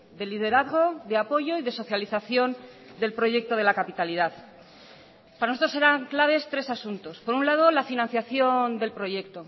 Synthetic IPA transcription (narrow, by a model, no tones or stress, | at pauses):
d̪e̞liðe̞ɾaðɣ̞o̞ðe̞apo̞ʝo̞iðe̞so̞θjaliθaθjo̞n | d̪e̞lpɾo̞ʝe̞k̚t̪o̞ð̞elakapit̪alið̞að | paɾansot̪ɾose̞ɾaŋklaβ̞e̞st̪ɾe̞sasunt̪o̞spo̞ɾunlað̞o̞lafinãn̟θjaθjo̞nd̪e̞lpɾo̞ʝe̞k̚t̪o̞